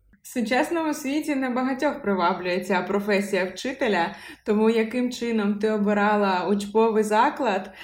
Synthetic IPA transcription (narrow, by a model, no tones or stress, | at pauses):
wsʊt͡ʃɛsnɔmʊsʲʋʲitʲinɐbɐɦɐtʲɔxpɾɪʋɑwlʲʊjet͡sʲapɾɔfɛsʲijɐwt͡ʃɪt̪elʲɐt̪ɔmujɐkɪmt͡ʃɪnɔmt̪ɪɔbɪɾɑlˠɐʊt͡ʃpɔʋɪjzɑklˠɐd̪